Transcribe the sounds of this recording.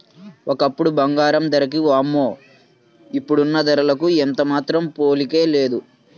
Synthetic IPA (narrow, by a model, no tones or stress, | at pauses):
ʔokɐpːuɽubɐŋɡaːɾɐmd̪ɐɾɐkiʋaːmːoː | ipːuɽunːɐd̪ɐɾɐlɐkuent̪ɐmaːt̪ɾɐmpoːlikeːle̞ːd̪u